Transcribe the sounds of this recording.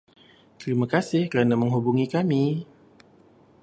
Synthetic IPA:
t̪ɾimakasɪhkəɾanamə̃ŋɦubuŋikami

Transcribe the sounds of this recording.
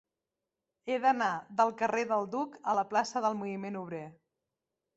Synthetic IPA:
eðənaðəlˠkəreðəlˠd̪ukələplasəðəlˠmuimenuβɾe

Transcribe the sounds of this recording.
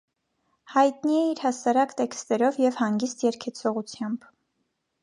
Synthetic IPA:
hɑjt̪niɛiɾhɑsɑɾɑkt̪ɛkst̪ɛɾɔvjɛvhɑŋɡist̪jɛɾkʰɛt͡sʰɔʁut͡sʰjɑmb̥

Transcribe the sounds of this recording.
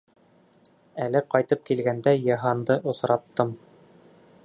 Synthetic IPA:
ælɘqɑjt̪ɤp̚kilɡænd̪æjɑɦɑnd̪ɤʔŏsɾɑt̪ːɤm

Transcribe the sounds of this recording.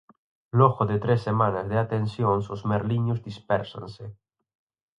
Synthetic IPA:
loɣoðet̪ɾesːemanazðeat̪ensjonsozmeɾliɲuzd̪ispɛɾsa̰nse

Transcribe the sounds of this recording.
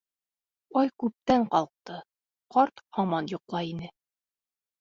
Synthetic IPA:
ɒjkʉp̚t̪æɴqɑlˠq̚t̪ɤ | qɒɾt̪hɑmɑnjŏqlˠɑinɘ

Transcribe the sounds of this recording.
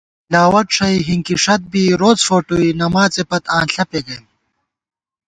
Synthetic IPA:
laːwɐʈʂɐiɦiŋkiʂɐt̪̚biːɾoːt͡sfoːʈuinɐmaːt͡sepɐt̪ãːnɬɐpeɡɐjm

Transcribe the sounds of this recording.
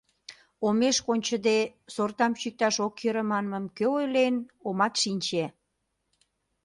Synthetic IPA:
omeʃkonʲt͡ɕəd̪esort̪ɑmt͡ɕyk̚t̪ɑʃokjøɾəmɑnməmkøojlenomɑt̪ʃinʲt͡ɕe

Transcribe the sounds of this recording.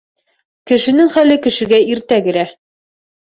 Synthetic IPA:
kɘ̆ʃɘ̆nɘŋχælɘkɘ̆ʃɘ̆ɡæiɾt̪æɡɘ̆ɾæ

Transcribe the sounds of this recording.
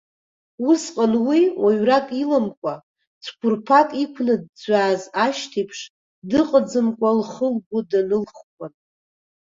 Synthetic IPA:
usqʼanwiwaɥrakʼilamkʷʼa | t͡sʷʰkʷʰʊrpʰakʼikʷʰnɨd̚d͡zʷaːzaʃtʰipʰʂ | dɨqʼəd͡zɨmkʷʼalχəlɡʷʊdanɨlχkʷʰʼan

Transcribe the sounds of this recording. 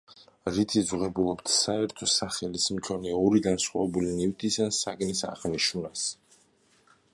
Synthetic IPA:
ɾit̪ʰizʁɛbulˠɔpt̪ʰsaɛɾt̪ʰɔsaχɛlismkʰɔniaɔɾiɡansχwa̰vɛbulinift̪ʰisansaɡnisa̰ʁniʃunas

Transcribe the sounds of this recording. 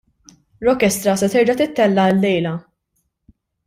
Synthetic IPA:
ɾɔkɛst̪ɾɐsɛt̪ɪɾd͡ʒɐt̪ɪt̪ːɛlːɐlːɛjlɐ

